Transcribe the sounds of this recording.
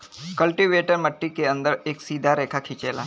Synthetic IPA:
kəlʈiʋeʈəɾməʈːikeənd̪əɾeksiːd̪ʱaɾekʰakʰit͡ʃela̰

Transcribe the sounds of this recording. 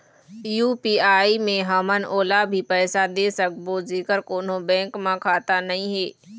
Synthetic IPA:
juːpiːaːimẽɦəmənʔoːlabʱipɛːsad̪esək̚bozeːkəɾkoːn̤obɛ̃ːŋkmãkʰaːt̪anɐĩɦeː

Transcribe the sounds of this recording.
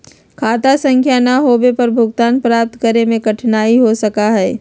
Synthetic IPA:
kʰaːt̪asɐ̃ŋkʰjanaɦoːbepɐɾbʱʊɡt̪aːnpɾaːp̚t̪kɐɾemẽkɐʈʰnaːiɦosɐkaɦɛː

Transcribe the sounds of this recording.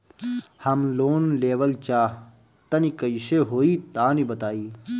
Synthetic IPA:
hɐmloːnleːʋɐlt͡ɕaː | t̪ɐnikɐiɕeɦoːiːt̪aːnibɐt̪aːiː

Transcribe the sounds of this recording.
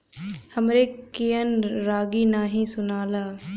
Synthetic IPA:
həmɾekijənɾaːɡinaːɦĩsʊnaːlaː

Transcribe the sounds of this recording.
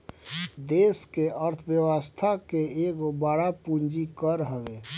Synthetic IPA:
d̪eːskeʔəɾt̪ʰʋjəwəst̪ʰakeeɡobaɽapund͡ʒikəɾɦəʋe

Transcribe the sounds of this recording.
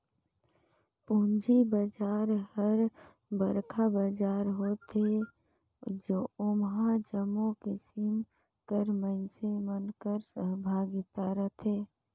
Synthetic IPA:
pʊnd͡ʒibəd͡ʒaːɾhəɾ | bəɾkʰabad͡ʒaːɾɦoːt̪e | d͡ʒoːʊmɦãd͡ʒəmõkisim | kəɾmənsemənkəɾsəɦbʱaːɡɪt̪aɾət̪ʰeː

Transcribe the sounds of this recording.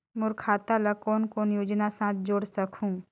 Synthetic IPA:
mʊɾkʰaːt̪alakɔːnkoːnjoːd͡ʒnasãːt̪̚ʰd͡ʒoːɽsəkʰũː

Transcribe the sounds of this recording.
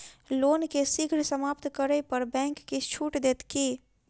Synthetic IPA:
lonkesiɡʱɾsəmapt̪kəɾəpəɾbɛ̃ŋkːet͡ʃʰuʈd̪et̪ki

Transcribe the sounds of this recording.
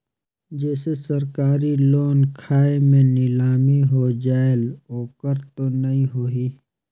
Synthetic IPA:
d͡ʒɛːsesɐɾkaːɾiloːnkʰaːemẽnɪlaːmiɦod͡ʒaːeloːkəɾt̪onɐɦĩɦoːɦiː

